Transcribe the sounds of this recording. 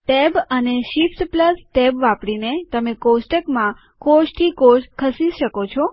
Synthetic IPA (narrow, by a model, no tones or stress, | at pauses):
ʈɛbəneʃift̪pləsʈɛbʋãpɽinet̪əmekosʈəkmã | koʃt̪ʰikoʃkʰəsiʃəkot͡ʃʰɔ